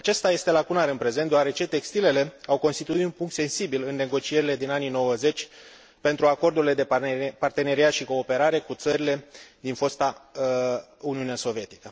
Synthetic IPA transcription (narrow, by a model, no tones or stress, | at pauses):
at͡ʃe̞st̪aje̞st̪e̞lakunaɾɨnpɾe̞zent̪oaɾe̞t͡ʃe̞t̪e̞kst̪ile̞le̞awko̞nst̪it̪uit̪unpuŋk̚t̪se̞nsibilɨnːe̞ɡo̞t͡ʃie̞ɾile̞d̪inanino̞wəze̞t͡ʃʲ | pe̞nt̪ɾuako̞rd̪uɾile̞d̪e̞part̪e̞ne̞ɾiat̪ʃiko̞ːpe̞ɾaɾe̞kut̪səɾile̞d̪info̞st̪a | uniuneaso̞vie̞t̪i̥kə